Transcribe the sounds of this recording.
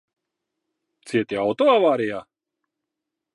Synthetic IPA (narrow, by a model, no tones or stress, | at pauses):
t̪siɛt̪ʲiawt̪ɔavaːɾijaː